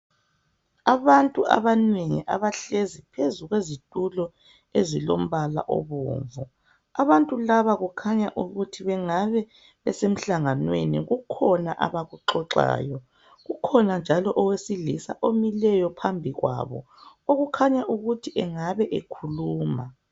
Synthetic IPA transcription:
aβantʼuʔa̰βaneŋiʔaβaɬezipʰezuɣwezitʼulɔ | ezilo̰m̩βala̰ʔo̰βṵːɱvu | aβantʼulaβaɣukʰaɲaʔuɣutʰiβɛŋaβɛ | βɛsem̩ɬaŋanwḛnḭɣukʰɔna̰ʔa̰βaɣuǁɔǁa̰ːjɔ | ɣukʰɔnand͡ʒʱalɔʔɔwesiɮisa̰ʔomilɛjɔpʰambʱiɣwa̰βɔ̰ | oɣukʰaɲaʔuɣutʰiʔɛŋaβɛʔekʰuluːma

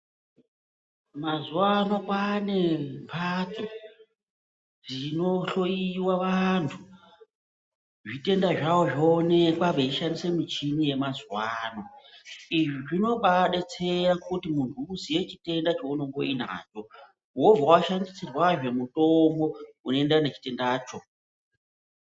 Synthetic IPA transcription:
mazuwanopane̞mpʰat͡so | ʐino̞ɬo̞jiwaʋantʰu | ʐite̞ndaʐawoʐoːnekwaɓeiʃandise̞mit͡ʃimije̞mazwaːno̞iʐiʐino̞ɓaɗet͡se̞jakutimuntʰuːsije̞t͡ʃite̞ndat͡ʃouno̞ŋɡo̞̰ina̰ːt͡ʃo̞ | wo̞vʱawaʃandisirwaʐe̞muto̞mbo̞unoe̞ndane̞t͡ʃi̥te̞ndaːt͡ʃo̞

